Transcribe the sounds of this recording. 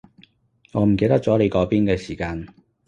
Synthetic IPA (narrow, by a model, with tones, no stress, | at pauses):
ŋɔː˨˧m̩˨˩k̬e˧jt̪ɐ˥k̚t͡sɔː˨˥le˨˧jkɔː˨˥piː˥nkɛː˧siː˨˩kaː˧n